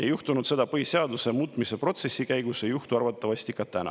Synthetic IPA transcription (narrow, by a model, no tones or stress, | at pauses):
jejuht̪unud̪se̞d̪̥ɑpɤhise̞ɑd̪usemuːt̪ˑmise̞pro̞t̪se̞sʲːikæjɡusejuht̪uɑrvɑt̪ːˑɑvɑsʲt̪ikɑt̪ænɑ̰